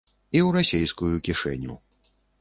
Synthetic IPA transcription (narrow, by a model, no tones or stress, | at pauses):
iwɾasʲejskujukʲiʂɛ̰nʲṵ